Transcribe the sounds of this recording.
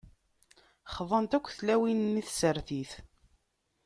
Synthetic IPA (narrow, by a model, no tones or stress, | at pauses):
χðˤənt̪ækʷːθlæwinniθsəɾθiθ